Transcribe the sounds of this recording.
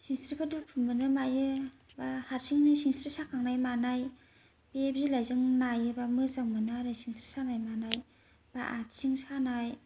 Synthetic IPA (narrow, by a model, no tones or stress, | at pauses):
siŋstɾikʰɯdupʰumɯnɯmajɯ | bahatsʰiŋnɯsiŋstɾisakʰaŋnajmanaj | biep̚zilajzɯŋnajɯbamɯzaŋmɯnaɾɯsiŋstɾi̥sanajmanaj | b̥aʔatsiŋsanaj